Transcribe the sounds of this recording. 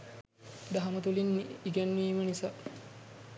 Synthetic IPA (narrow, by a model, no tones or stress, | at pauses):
d̪ɐɦamɐt̪ulinːiɡænːiːmənisa